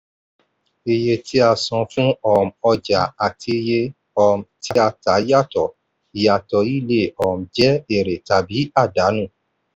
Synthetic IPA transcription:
e˧˨je˧tʰi˦a˧˨sɔ̃˧fũ˦ɔ˦˨m̩˨ɔ˧d͡ʒa˨a˨tʰi˧je˧ | ɔ˧˨m̩˨tʰi˦a˧˨ta˨˦ja˦˨tɔ˨ | i˨ja˨tɔ˧˨i˦˨le˦ɔ˨m̩˨d͡ʒɛ˦e˨ɾe˨ta˨bi˨˦a˦˨da˨˦nũ˦˨

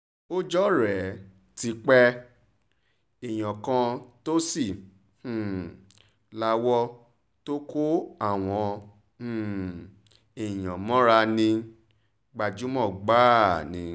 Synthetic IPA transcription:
o˦d͡ʒɔ˦ɾɛ˨˦ | ti˧k͡pɛ˧ | i˨j̃ã˨kã˧to˦sĩ˦˨ | la˧wɔ˦ | to˦ko˦a˦˨w̃ɔ̃˧˨ | i˨j̃ã˨mɔ̃˦ɾa˧nĩ˧ | ɡ͡ba˨d͡ʒu˨˦mɔ̃˦˨ɡ͡ba˦˨nĩ˨˧

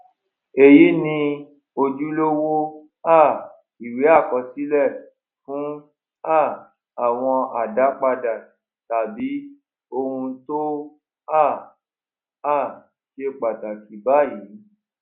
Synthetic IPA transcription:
e˦˨ji˨˦nĩ˧ | o˧d͡ʒu˦lo˦wo˦ | a˦˨ | i˨we˨˦a˦˨kɔ˧si˦lɛ˦˨ | fũ˨˦ | a˦˨ | a˨w̃ɔ̃˧a˨da˨˦k͡pa˧da˨ | ta˨bi˨˦ | o˧hũ˧to˦ | a˦˨ | a˦˨ | ʃe˧k͡pa˨ta˨ki˨˦ba˦˨ji˨˦

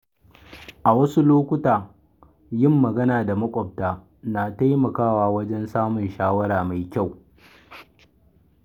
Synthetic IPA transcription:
ʔa˨wɐ˦su˦loː˦kʷʊ˦taː˨ | jɪ˦mːɐ˨ɡɐ˦naː˨da˨mɐ˦kʷʼɔ˨p̚taː˨ | na˨ta˦jmɐ˨kaː˦waː˦wɐ˦d͡ʒɛ˦nsaː˦mʊ˨nʃaː˦wɐ˦ɾaː˨ma˨jkʲa˦˨w

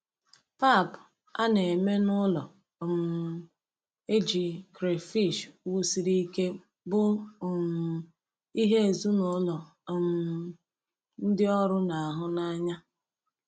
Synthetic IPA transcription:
pa˦˨p | a̰˦ne˨e˨me˦nʊ˦lɔ˨ | m̩˨ | e˦d͡ʒi˨kɾe˨fi˦˨ʃwu˦si˨ɾi˦ke˦ | bʊ˦˨m˨ | i˦ɦe˦e˨zu˦nʊ˦lɔ˨ | m̩ | n̩˦dɪ˦ɔ˦ɾʊ˦na˨a˨ɦʊ˦na˦ɲa˦

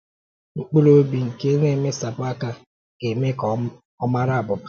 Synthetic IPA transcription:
ŋ͡m̩˦k͡pu˦ɾo˦bi˨ŋ̩˨ke˦ne˦˨me˦sa˨ba˦ka˦ | ke˨me˦k | ɔ˦ma˦ɾa˦˨bʊ˨ba˨

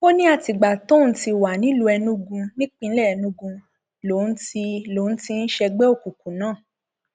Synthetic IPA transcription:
ko˦nĩ˦a˧ti˨ɡ͡ba˨tõ˦n̩˦ti˧wa˨nĩ˨˦lo˧ɛ˧nũ˦ɡũ˧nĩ˦k͡pĩ˧n̩˦lɛ˦ɛ˧nũ˧˦ɡũ˧ | lo˨˦n̩˦ti˧lo˨˦n̩˦ti˧n̩˦ʃɛ˧ɡ͡bɛ˦o˦˨ku˨kũ˨nãː˨˦˨

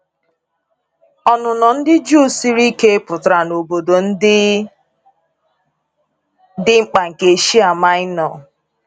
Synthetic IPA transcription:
ɔ˨nʊ˨nɔ˨n̩˦dɪ˦d͡ʒu˦˨si˦ɾi˦ke˦e˦pʊ˨tɾa˨no˨bo˨do˨n̩˦dɪ˦ | dɪ˦ŋ͡m̩˦k͡pa˨ŋ̩˨ke˨ʃi˦a˨ma˦ɪ˦nɔ˨

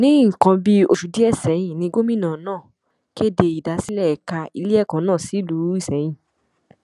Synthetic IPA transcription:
nĩ˦ŋ̩˨kã˧bi˦o˧ʃu˨˦di˦ɛ˦˨sɛ˨˦j̃ĩ˨nĩ˧˦ɡo˦mĩ˦˨nãː˨nãː˦˨ | ki˦e˦˨de˧i˨da˨˧˦si˦lɛ˦ɛ˨ka˧i˧li˦ɛ˦˨kã˨˦nãː˦˨si˨˦lu˨˦i˦˨sɛ˨˦j̃ĩ˦˨

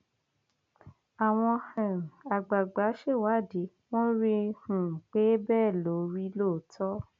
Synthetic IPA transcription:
a˨w̃ɔ̃˧hɛ̃˨ɾa˨ɡ͡ba˨ɡ͡ba˨˦ʃe˦˨wa˨˦˨de˨˦ | w̃ɔ̃˦ɾi˧hũ˨k͡pe˦bɛː˦˨lo˨˦ɾi˦lo˦˨tʰɔ˦

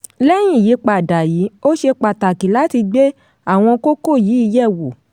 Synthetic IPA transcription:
lɛ˦j̃ĩ˦˨ji˨˦k͡pa˨da˨ji˨˦o˦ʃe˧k͡pa˨ta˨ki˨˦la˦ti˧ɡ͡be˦ | a˦˨w̃ɔ̃˧ko˦ko˦˨jiː˨˦i˧jɛ˦˨wo˨

